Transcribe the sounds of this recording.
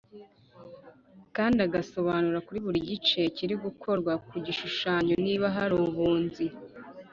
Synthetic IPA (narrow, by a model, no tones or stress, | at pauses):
kaːndaɡaso̞βanuɾakuɾiβuɾiɟit͡ʃe̞ciɾiɡukʰo̞ɾɡwakuɟiʃuʃaːɲo̞niβaɦaɾuβuːnzi